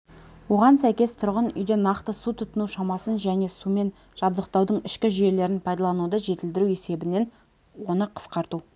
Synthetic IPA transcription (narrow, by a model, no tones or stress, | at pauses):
wo̞ʁɑnsæjkʲe̞st̪ʰʊɾʁənʏ̰jd̪e̞nɑqt̪əsut̪ʰʊt̪ənuʃɑmɑsənʒæne̞sume̞n | ʒ̥ɑb̚d̪əq̚t̪ɑwd̪əɴɪʃkʲɪʒʏje̞le̞ɾɪnpʰɑjd̪ɑlˠɑnud̪əʒe̞t̪ɪld̪ɪɾue̞se̞bɪne̞n | wo̞nəqʰə̥sqɑɾt̪u